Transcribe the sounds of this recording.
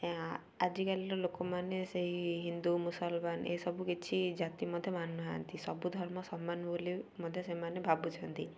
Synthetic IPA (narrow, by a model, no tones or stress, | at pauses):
ad͡ʒikaliɾɔlokɔmaneseɦiɦind̪umusɔlmanḛsɔbukit͡ʃʰid͡ʒat̪imɔd̪ʱjɔmanɔɦaant̪isɔbud̪ʱɔɾmɔsɔmːanbolimɔd̪ʱjɔsemanebʱabut͡ʃʰɔnt̪i